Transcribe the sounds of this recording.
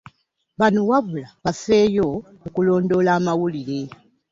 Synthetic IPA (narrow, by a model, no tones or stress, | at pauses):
βanowaβulaβafe̞ːjo | ukulo̞ːndo̞laːmawuliɾe̞